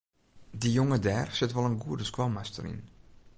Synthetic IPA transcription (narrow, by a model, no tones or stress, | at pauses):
dijoŋədɛːrsɪtʋɔlˠənɡuərdəskwɔmastəɾḭn